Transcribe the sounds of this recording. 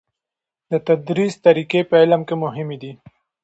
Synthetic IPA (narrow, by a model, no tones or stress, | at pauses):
d̪ət̪ad̪ɾist̪aɾikepəɪlamkemʊɦɪmed̪i